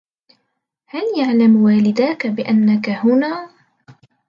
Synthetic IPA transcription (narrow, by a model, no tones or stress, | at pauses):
haljaʕlamwaːlɪd̪aːkabɪʔanːakahʊnaː